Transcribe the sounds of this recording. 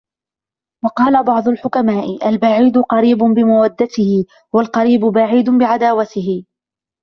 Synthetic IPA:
wɑqɑːlabɑʕd̪ˤʊlħʊkamaːʔɪʔalbaʕiːd̪ʊqɑɾiːbʊbɪmawad̪ːat̪ɪhɪ | walqɑɾiːbʊbaʕiːd̪bɪʕad̪aːwat̪ɪɦɪ

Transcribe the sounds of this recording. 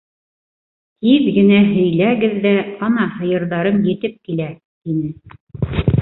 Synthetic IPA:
h̪iðɡɘ̆næɦɵ̆jlæɡɘðːæɑnɑhɤ̆jɤ̆ɾðɑɾɤmjɘ̆t̪ɘp̚kilæ | t̪inɘ

